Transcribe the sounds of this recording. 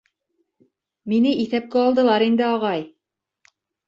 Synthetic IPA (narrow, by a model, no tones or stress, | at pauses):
minɘʔiθæp̚kæɑlˠd̪ɤ̆lˠɑɾind̪ɘɑʁɑj